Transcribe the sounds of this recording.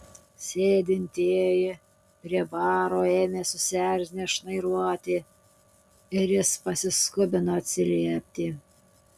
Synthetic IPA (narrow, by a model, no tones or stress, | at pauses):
sʲeːd̪ʲɪnʲt̪ʲeːjɪ | pʲɾʲiɛbɑːɾoːeːmʲeːsʊsʲæɾʲzʲnʲeʃnɐɪɾuɔt̪ʲɪ | ɪɾjɪspɐsʲɪskʊbʲɪnoːɐt̪ʲsʲɪlʲiɛpʲt̪ʲiː